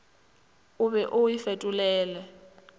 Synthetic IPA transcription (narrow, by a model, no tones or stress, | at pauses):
ʊβɛʔʊifɛtʼʊlɛːlɛ